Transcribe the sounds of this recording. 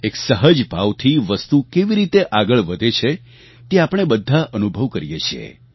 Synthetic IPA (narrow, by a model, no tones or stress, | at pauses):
eksəɦəd͡ʒpaʋt̪ʰiʋəst̪ukeʋiɾit̪eʔaɡəɭʋəd̪ʱet͡ʃʰe | t̪eapəɳ̃ebəd̪ʱːaʔənubʱəʋkəɾijet͡ʃʰiḛ